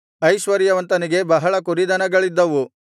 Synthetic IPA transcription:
ɐjʃʋɐɾjɐʋɐnt̪ɐniɡe̞bɐɦɐɭɐkuɾid̪ɐnɐɡɐɭid̪ːɐʋu

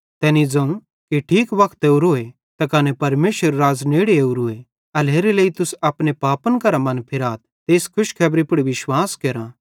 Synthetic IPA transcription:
t̪ɛːnid͡zɐ̃ũ | kiʈʰiːkʋɐkʰt̪eːuɾoːe | t̪ɐkaːnepɐɾmeːʃəɾːaːzneːɽeeːuɾuːe | ɐleːɾeleːit̪ʊsɐpnepaːpənkɐɾamɐ̃npʰɪɾaːt̪̚ | t̪eːskʰʊʃkʰɛːbɾipʊɽiʋɪʃwaːskeːɾã

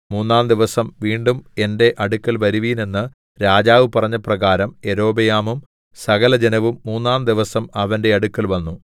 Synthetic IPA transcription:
muːnːaːnd̪iʋɐsɐmʋiːɳɖume̞nde̞ʔɐɽukːɐlʋɐɾuʋijne̞nːɨ | ɾaːd͡ʑaːʋɨpɐrɐɲːɐprɐɣaːɾɐme̞ɾo̞ːbɐjaːmum | sɐɣɐlɐd͡ʑenɐʋumːuːnːaːnd̪iʋɐsɐmɐʋɐnde̞ɐɽukːɐlʋɐnːu

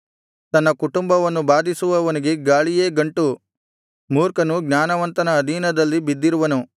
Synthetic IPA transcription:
t̪ɐnːɐkuʈumbɐʋɐnːubaːd̪ʱisuʋɐʋɐniɡe̞ɡaːɭijeːɡɐɳʈu | muːɾkɐnuɡnʲaːnɐʋɐnt̪ɐnɐːd̪ʱiːnɐd̪ɐlːibid̪ːiɾuʋɐnu

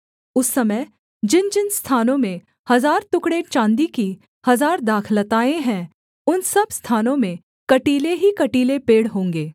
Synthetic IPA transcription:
ʊsːɐməj | d͡ʒɪnd͡ʒɪnst̪ʰaːnõmẽ | hɐzaːɾt̪ʊkɽet͡ʃãːnd̪iki | hɐzaːɾd̪aːkʰlət̪aːẽɦɛ̃ | ʊnsɐbst̪ʰaːnõmẽ | kɐʈiːleɦikɐʈiːlepeːɽɦõːŋɡeː

